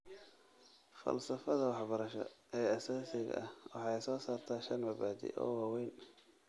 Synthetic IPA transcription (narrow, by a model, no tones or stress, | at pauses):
fɐ̰lsɐfɐðɐwɑħbɐɾɐʃɔ̰ɛːɐsaːsɪɣɐ̰ʔɐhwɑħɑjsɔːsaːrt̪ʰaːʃɐnmɐbaːdḭʔɔ̰ːwaːwɛjn